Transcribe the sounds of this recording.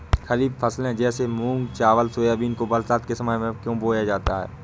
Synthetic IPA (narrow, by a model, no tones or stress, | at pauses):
xɐɾiːbfʰəslɦɛ̃d͡ʒɛːsemũːŋɡt͡ʃaːʋəlsoːjaːbiːnkobɐlsaːt̪̚kesɐmaːmẽkjõːboːjad͡ʒaːt̪aɦɛ̰ː